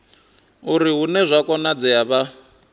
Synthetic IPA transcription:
uɾiɦunɛzʷakɔnad͡zɛaβa

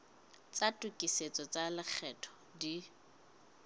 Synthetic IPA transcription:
t͡satʼʊkʼiset͡sʼɔt͡sʼalɪk͡xʰɛtʰɔ̥ | di

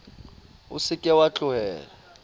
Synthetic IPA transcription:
ʊ̰sɪkʼɛwat͡ɬʼʊɦɛːla

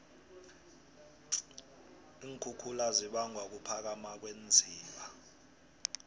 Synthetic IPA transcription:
iːŋkʰukʰulaziɓaŋɡʱwak̬upʰak̬amak̬wend͡zʱiːɓa

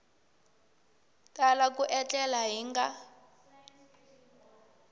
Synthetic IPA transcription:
kʼalakuʔɛt͡ɬɛlaɦiŋɡa

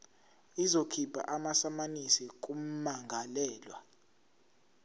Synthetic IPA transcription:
izokʰibʱa̰ʔamasamanisik̬ʼum̩maŋɡʱalɛːlwa

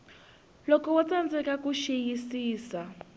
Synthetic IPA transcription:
lɔkɔwɔt͡sand͡zɛkakuʃejisiːsa

